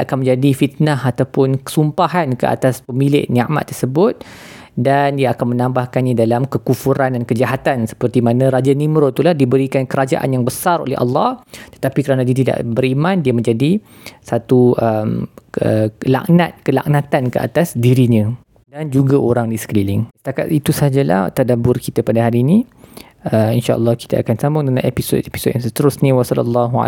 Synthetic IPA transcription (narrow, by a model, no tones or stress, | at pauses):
a̰kanmə̃ɲd͡ʒadifit̪̚naɦat̪awpʊnkə̥sumpaɦankə̰ʔa̰t̪aspəmilɪ̰ʔnãʔma̰ʔt̪ːərsəbʊt̪̚ | dandiaakanmə̃nãmbahkanɲãdalamkəkufuɾandankəd͡ʒaɦat̪ansə̥pərt̪imanãɾad͡ʒanĩmɾot̪ulahdibəɾikankəɾad͡ʒa̰ʔa̰njaŋbəsaɾo̰lɛ̰ɦɑ̰lːɑht̪ə̥t̪apikəɾanadiat̪ida̰ʔbəɾimãndiamə̃ɲd͡ʒadi | sat̪uʔəmə̰la̰ʔnat̪̚kəla̰ʔnãt̪ankəʔa̰t̪asdiɾiɲə̃ | dand͡ʒuɡaʔoɾaŋdisə̥klilɪŋsə̥t̪aka̰t̪it̪usad͡ʒala̰ht̪adabʊrkit̪apadaɦaɾiːnĩ | əminʃaʔə̰lˠːɑhki̥t̪a̰a̰kansamʊŋdəlaʔepiso̰t̪̚epi̥sot̪̚jaŋsət̪əɾʊsɲə̃wasɔlə̰lːɑɦua̰